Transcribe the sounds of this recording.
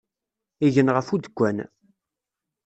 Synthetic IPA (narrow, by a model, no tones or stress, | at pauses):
iʝənʁəfud̪əkʷːæn